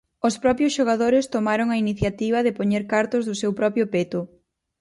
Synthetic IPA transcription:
ʊspɾɔpjʊsʃoɣ̞aðoɾɪst̪omaɾoŋɐiniθjat̪iβɐðɪpoɲeɾkaɾt̪ʊzðʊsewpɾɔpjʊpet̪ʊ

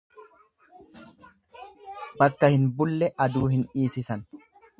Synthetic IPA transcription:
bɐkːɐhɪnbʊlːɛʔɐd̪uːhɪniːsɪsɐn

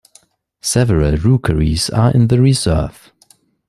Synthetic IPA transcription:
sɛvəɹəlˠɹukʰəɹiz̥ə̰˞ʔɪ̰̃nðəɹizɜ˞v̥

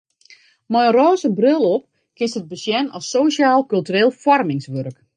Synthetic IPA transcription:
mɔjroːzəbrɪlˠɔp̚ | kɪnstəd̚bəsjɛnɔsːoːsjaːlˠkylˠtyreːlˠfɔrmɪŋsʋørək

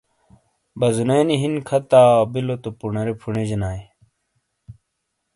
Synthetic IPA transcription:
bɐzuneːniɦinkʰɐt̪aːbilot̪opunɐɾepʰuɳed͡ʑinaːj

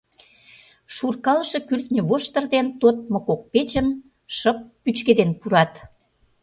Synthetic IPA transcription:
ʃurkɑləʃĕkyrt̪nʲə̆βoʃt̪ə̆rd̪ent̪ot̪̚mŏkok̚pet͡ɕəm | ʃəp̚ːyt͡ɕked̪enpuɾɑt̪

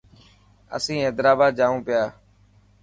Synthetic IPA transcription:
ə̰sĩːeːd̪ɾaːbaːd̪̚d͡ʒaːʋũːpɪjaː

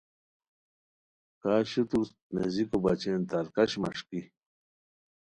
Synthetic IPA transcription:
kaːɕut̪uɾs | nḛzikobɐt͡ɕent̪aɾkɐɕmɐ̰ʂki

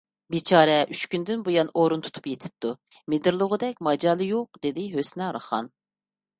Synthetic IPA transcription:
bit͡ʃʰɑːɾɛʔyt͡ʃkʲynd̪ɪnbojɑnoɾunt̪ʰu̥t̪ʰu̥pjet̪ʰɪ̥p̚t̪ʰu | med̪ɪɾlˠʊʁʊd̪ɛk̚ʲmɑd͡ʒɑːlˠɨjoq̚d̪̥ed̪ɪɦøsnɛɾɑ̰χɑ̰n

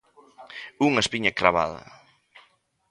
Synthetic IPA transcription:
uŋɐespiɲɐkɾaβa̰ðɐ̰

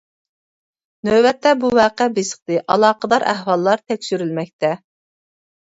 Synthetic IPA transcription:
nøbɛt̪ːɛbuwɑːqɛbesə̥χt̪ɨʔɑlˠɑːqəd̪ɑɾʔæ̰hwɑlˠːɑɾt̪ʰɛkʲsyɾylmɛk̚ʲt̪ʰɛ

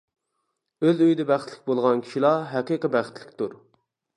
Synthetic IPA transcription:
øzøjd̪ɛbæχɪt̪lɪk̚ʲbolˠʁɑnkʲʰi̥ʃilˠɑɦɛqiqəbæχə̥ɪt̪ʰlɪkʲt̪uɾ

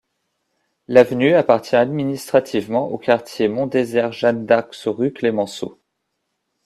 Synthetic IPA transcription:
lavnyapaʁt̪jɛ̃ad̪minist̪χat̪ʰivmɑ̃ʔokaʁt̪jemɔ̃d̪ezɛʁʒand̪aʁksəʁyklemɑ̃so̰

